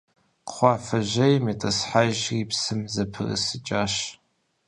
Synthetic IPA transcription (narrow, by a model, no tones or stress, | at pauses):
qχʷɑːfɐʒɐjmetʼɐsħaʒripsɨmzɐpʰɨrɨ̰sɨt͡ʃʼaːʃ